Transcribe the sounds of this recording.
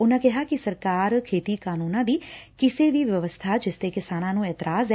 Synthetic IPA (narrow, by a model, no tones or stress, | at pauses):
ʊnãːkɪɦaːkɪsəɾkaːɾkʰeːt̪iːkaːnuːnãːd̪iːkɪseːʋiːʋjəʋəst̪ʰaːd͡ʒɪst̪eːkɪsaːnãːnũːɛːt̪əɾaːzɛː